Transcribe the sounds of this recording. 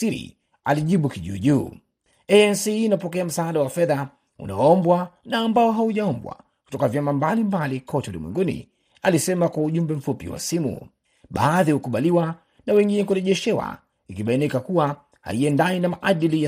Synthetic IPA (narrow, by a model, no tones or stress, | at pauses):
iɾḭ | aliʄiɓukiʄṵːʄuː | ɛɛnsiːnapɔkɛam̩saːɗawafɛða | ṵna̰ɔɔmbwanaːmbaɔɦauʄaɔmbwa̰ | ku̥tɔkavjamambalimbalikʰɔtɛulḭmwɛ̰ŋɡunḭ | alisɛmakwauʄumbɛm̩fupḭwa̰simṵ | ɓa̰ːðihukuɓaliwa | nawɛŋɡinɛk̬uɾɛʄɛʃɛwa̰ | ikiɓainikakuwa | ha̰iɛndainamaʔaɗilija